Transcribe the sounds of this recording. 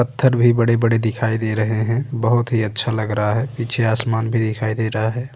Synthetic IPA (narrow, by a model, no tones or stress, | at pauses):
pət̪ʰːəɾbʱibəɽebəɽed̪ɪkʰaːid̪eːɾɐɦeɦɛ̃bəɦʊt̪ɦiətːʃʰalɐɡɾəɦaɦɛːpiːt͡ʃʰeaːsmaːnbʱid̪ɪkʰaːid̪eːɾəɦaɦɛː